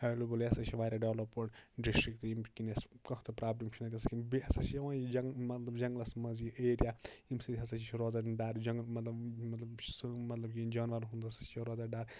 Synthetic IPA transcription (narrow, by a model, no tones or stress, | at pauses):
ɐlubuljɐsɐt͡ʃʰiʋaːɾʲaɖeʋlɐpːɐʈɖiʂʈikt̪imkineskɐ̃t̪ʰɐpɾaːblimt͡ʃʰinɐkɐsɐkinbiɐsɐt͡ʃʰjɐʋãːjid͡ʒɐŋmɐt̪lɐbd͡ʒɐŋɡlɐsmɐziʔeːɾijaimsɐd̪ʲɦɐsɐt͡ʃʰit͡ʃʰiɾoːzɐɖaːɾd͡ʒɐŋɡlmɐt̪lɐbmɐt̪lɐbt͡ʃʰsɨmɐt̪lɐb̚kid͡ʒaːnʋɐɾɦund̪ɐsɐ̥t͡ʃʰiɾoːzɐɖaːɾ